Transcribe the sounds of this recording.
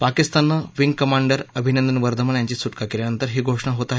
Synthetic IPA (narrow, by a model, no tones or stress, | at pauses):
pakist̪anːaʋiŋɡkəmaɳɖəɾəbʱinənd̪ənʋəɾd̪ʱəməɳjaɲt͡ɕiːsuʈkakeljanənt̪əɾɦiːɡʱoʂɳaɦot̪aɦe